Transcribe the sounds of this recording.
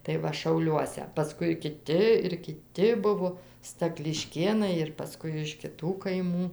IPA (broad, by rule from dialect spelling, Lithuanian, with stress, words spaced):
tɐɪ ˈʋɐ ʃɐʊˈlʲuɔsʲɛ pɐˈskʊɪ kʲɪˈtʲɪ ɪr kʲɪˈtʲɪ ˈbʊʋoː stɐklʲɪˈʃʲkʲeːnɐɪ ɪr pɐˈskʊɪ ɪʃ kʲɪˈtuː kɐɪˈmuː